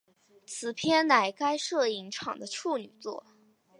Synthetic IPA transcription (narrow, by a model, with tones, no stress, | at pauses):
t͡sʰɹ̩˨˩pʰjɛ˥nna˧˩ɪka˥ɪʂɤ˥˩i˧˥ŋʈ͡ʂʰɑ̰˨˩ŋd̪ə˦ʈ͡ʂʰu˥˩ny˨˩t͡swɔ̰˥˩